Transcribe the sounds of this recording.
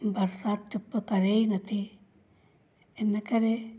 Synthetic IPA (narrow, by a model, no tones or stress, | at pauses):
bʱɐɾsaːt̪t͡ʃupːɐkɐɾejnɐt̪i | enːɐkɐɾe